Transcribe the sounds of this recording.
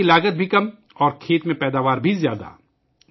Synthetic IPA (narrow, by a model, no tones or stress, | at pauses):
ilaːɡət̪̚bʱikɐm | ɔːɾkʰeːt̪mẽpɛːd̪aːʋaːɾbʱizjaːd̪a̰ː